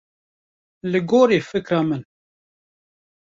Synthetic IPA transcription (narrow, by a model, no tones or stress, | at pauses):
lɨɡoːɾiːfɨkɾɑːmɨn